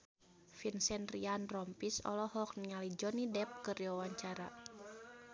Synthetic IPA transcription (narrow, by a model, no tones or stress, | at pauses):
finsɛnrianrɔmpisɔ̰lɔhɔk̚niŋalid͡ʒɔnidɛp̚kəriwawaɲt͡ʃaɾa̰